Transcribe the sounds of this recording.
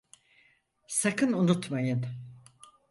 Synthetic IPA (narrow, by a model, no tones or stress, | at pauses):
sakɯnunut̪majɯn